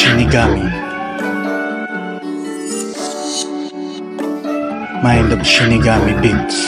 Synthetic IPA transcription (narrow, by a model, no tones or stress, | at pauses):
iniɡami | majnd̪ɔbʃiniɡamibi